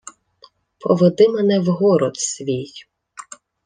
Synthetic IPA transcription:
pʰɔʋed̪ɪmɛnɛwɦɔɾɔt̪sʲʋʲij

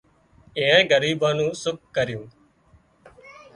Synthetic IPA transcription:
ẽːẽːɡəɾiːbãːnũːsʊk̚ːəɾjũː

